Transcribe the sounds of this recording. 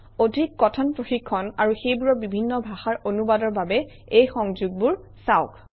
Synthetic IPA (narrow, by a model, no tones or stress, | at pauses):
odʱikːɔtʰɔnpɹoxikʰːɔnaɹuxejbuɹɔbibʱinːɔbʱaxaɹʔonubadɔɹbabɛ | ejxɔŋzuɡ̚buɹ | saʊk